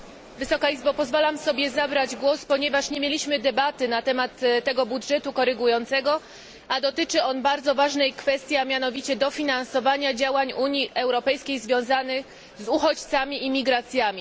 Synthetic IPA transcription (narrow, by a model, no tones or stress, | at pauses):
vɘsɔkaizbapɔzvalamsɔbʲjɛzabɾad͡ʑɡwɔspɔɲɛvaʂɲemʲelʲiɕmɘd̪ɛbat̪ɘnat̪ɛmat̪t̪ːɛɡɔbudʐɛt̪ukɔɾɘɡujɔnt̪sɛɡɔ | ad̪ɔt̪ɘt͡ʂɘɔnbaɾd̪zɔvaʐnɛjkfɛst̪ʲjamʲjanɔvʲit͡ɕɛd̪ɔfʲinansɔvaɲad͡ʑawaɲuɲiʔɛwɾɔpɛjskʲejzvʲjɔ̃w̃zanɘx | zuxɔt͡ɕt̪samʲiʔimʲiɡɾat̪sʲjamʲi